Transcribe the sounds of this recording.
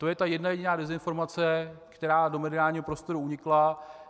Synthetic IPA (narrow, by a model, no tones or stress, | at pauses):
t̪o̞jɛt̪ajɛdnajɛɟɪnaːdɛzɪnfo̞ɾmat͡sɛkt̪ɛɾaːdo̞mɛdɪaːlɲiːɦopɾo̞st̪o̞ɾuuɲɪkla